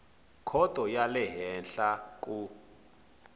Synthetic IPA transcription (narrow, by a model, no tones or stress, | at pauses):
kʰɔtɔjalɛɦɛnɬakʼu